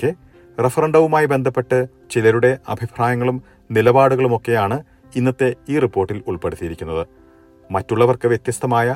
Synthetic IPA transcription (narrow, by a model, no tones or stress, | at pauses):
kːe | refɐrɐɳɖɐʋumaːjibe̞nd̪ʱɐpːe̞ʈːɨ | t͡ɕilɐɾuɽe̞ɐ̰bʱipʰɾaːjɐŋːɐɭum | nilɐbaːɽuɣɐɭumo̞kːe̞jaːɳɨ | inːɐt̪ːe̞iːripːo̞ːrʈːiluɭpe̞ɽut̪ːijiɾikʲːunːɐðɨ | mɐtːuɭːɐʋɐrkɨʋjet̪jɐst̪ɐmaːjɐ